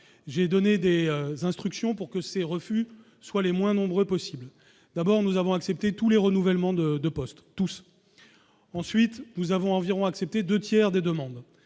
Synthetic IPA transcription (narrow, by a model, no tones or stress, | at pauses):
ʒed̪ɔned̪ezɛ̃st̪χyksjɔ̃puʁkəseʁəfy | swalemwɛ̃nɔ̃bʁøpɔsibl | d̪̥abɔʁnuzavɔ̃aksɛp̚t̪et̪uleʁənuvɛlmɑ̃d̪əd̪əpɔst̪ːus | ɑ̃sɥit̪nuzavɔ̃ɑ̃viʁɔ̃aksɛp̚t̪ed̪øt̪jɛʁd̪ed̪əmɑ̃d̪